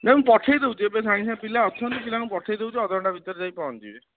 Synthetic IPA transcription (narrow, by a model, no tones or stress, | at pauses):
nemũpɔʈʰejd̪ewt͡ʃʰiebesaĩsãpilaɔt̪ʰːɔnt̪ɔkilanũpɔʈʰejd̪ewt͡ʃʰiɔd̪ɔɳʈabʱit̪ɔɾd͡ʒajpaɔ̃nt̪ibe